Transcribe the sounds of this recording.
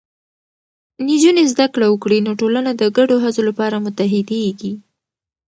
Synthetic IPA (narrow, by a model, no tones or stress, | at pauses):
nid͡ʒunezd̪akɽawəkɽinoʈolanad̪əɡaɖoɦazolapɑɾamʊt̪aɦɪd̪eɡi